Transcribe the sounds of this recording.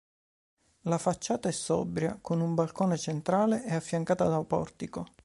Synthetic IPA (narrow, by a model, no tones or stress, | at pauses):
lafat͡ʃːaːt̪aɛsːɔ̰bɾja̰konumbalkoːnet͡ʃent̪ɾaːleʔɛafːjaŋkaːt̪ad̪awpɔ̰rt̪iko